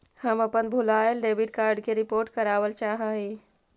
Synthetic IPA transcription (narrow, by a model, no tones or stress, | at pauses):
həməpənbʱulajəlɖebʱiʈ̚kaɾɖkeɾipoɾʈkəɾaʋəlt͡ʃaɦəɦi